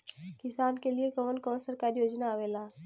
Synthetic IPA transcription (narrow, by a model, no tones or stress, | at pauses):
kɪsaːnkeliekəməlkɔmsəɾkaːɾjoːd͡ʒnaːʋeːlaː